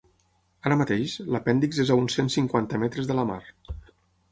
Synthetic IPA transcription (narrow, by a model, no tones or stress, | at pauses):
aɾəmət̪eʃləpɛnd̪ikzezaunsensiŋkwant̪əmɛt̪ɾəzðələma̰ɾ